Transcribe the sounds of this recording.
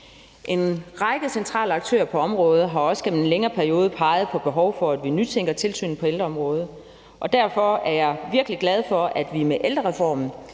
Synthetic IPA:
ʔe̝nʁɑ̈ɪɡ̥əsent͡sʰʁɑ̰̈ːləɑ̈ɡ̥̚t͡sʰø̰ːɐpʰɒ̽ɒ̽mʁɔ̽ːð̞̩ˠɦɑ̈ɒ̽sə̥ɡ̥emenleŋɐːpʰæɐio̝ːð̞ˠəpʰɑ̈ɪð̞̩ˠpʰɒ̽b̥e̝ɦɒʊfɒ̽æd̥ʋinyt͡sʰeŋ̰ɡ̥ɐt͡sʰe̝lsy̰ːn̩pʰɒ̽eld̥ʁɐɒ̽mʁɔ̽ːð̞ˠ | ʔɒ̽d̥æɐ̰fɒ̽æɐjɑ̈ɪʋiɐɡ̥əliɡ̥lɛð̞ˠfɒ̽æd̥ʋimeʔeld̥ʁɐʁɛfɒ̰ːmn̩

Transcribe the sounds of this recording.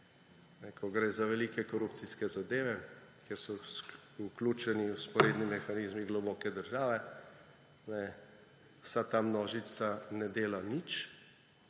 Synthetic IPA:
nɛkʰɔɡɾeːzaʋɛlikɛkɔɾupt̪siskɛzad̪eːʋɛkeɾsɔ | uklut͡ʃɛniwspɔɾeːd̪nimɛxaniːzmiɡlɔbɔːkɛd̪əɾʒaːʋɛ | nɛ | wsat̪amnɔːʒit̪sanɛd̪eːlanit͡ʃ

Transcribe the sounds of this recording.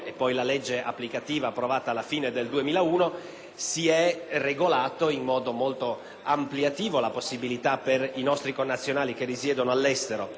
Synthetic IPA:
epːɔjlalɛd͡ʒːeʔa̰pːlikat̪iːvaːpːɾovaːt̪aːlafiːned̪eld̪uemiːlauːno | siɛreɡolaːt̪oinmɔːd̪omolt̪o | ampljat̪iːvolaposːibilit̪aperinɔst̪ɾikonːat̪sːjonaːlik̟erːisjɛːd̪onoalːɛst̪eɾo

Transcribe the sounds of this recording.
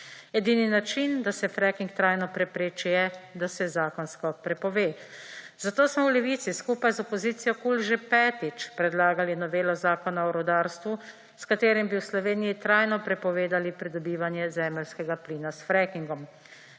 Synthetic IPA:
ɛd̪iːninat͡ʃind̪asɛfɾɛkiŋkt̪ɾajnɔpɾɛpɾeːt͡ʃijɛd̪asɛzaːkɔnskɔpɾɛpɔʋeːz̥at̪oːsmɔwlɛʋiːt̪siskuːpajzɔpɔziːt̪sijɔkulʒepɛːt̪it͡ʃpɾɛd̪laːɡalinɔʋeːlɔzaːkɔnaɔɾɔd̪aɾst̪ʋu | skat̪eːɾimbiwslɔʋeːnijit̪ɾajnɔpɾɛpɔʋeːd̪alipɾid̪ɔbiːʋanjɛzɛːmɛlskɛɡapliːnasfɾɛkiŋɡɔm

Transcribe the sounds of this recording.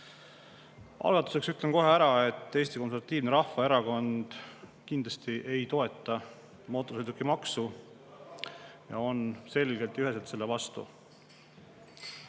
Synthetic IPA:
ʔɑ̰lɡ̥ɑt̪ːˑu̥se̞ksyt̪ˑlenko̞ɦeæɾɑe̞t̪ːˑe̞ːst̪iko̞nseɾvɑt̪ːˑiːvneɾɑhːɑe̞ɾɑko̞nd̪̥kind̪lɑst̪iʔe̞jt̪o̞e̞t̪ːˑɑ | mo̞ːt̪ːˑosejd̪ukːˑimɑksu | jɑ̰o̞nse̞lɡ̥e̞lt̪ːˑjyɦe̞s̬elt̪se̞lːevɑst̪ṵ

